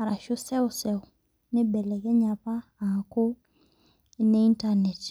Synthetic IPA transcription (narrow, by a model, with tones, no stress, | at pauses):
a˨ɾa˨ʃʊ˦sɛ˦ʊ˨sɛ˨ʊ˨ | ne˦bɛ˨lɛ˨kɛ˦ɲa˨pa˦a˨ko˦ | ne˦i˦nta˦nɛ˨t